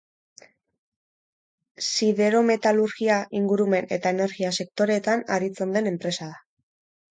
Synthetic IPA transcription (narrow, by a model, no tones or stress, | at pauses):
siðe̞ɾo̞me̞t̪aluɾɣiaʔiŋɡuɾume̞ne̞̰t̪ae̞ne̞ɾɣiase̞k̚t̪o̞ɾe̞ːt̪anaɾit͡se̞nd̪e̞ne̞mpɾe̞saða